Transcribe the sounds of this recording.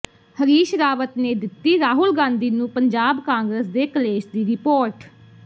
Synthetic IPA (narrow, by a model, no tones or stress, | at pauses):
həɾiːʃɾaːʋət̪neːd̪ɪt̪ːiːɾaːɦʊlɡãːnd̪iːnũːpəɲd͡ʒaːbkãːŋɡɾəsd̪eːkəleːʃd̪iːɾɪpoːɾʈ